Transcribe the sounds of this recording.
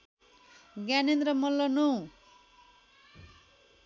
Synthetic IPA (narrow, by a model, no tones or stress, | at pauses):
ɡjaninɾʌmʌlːʌnu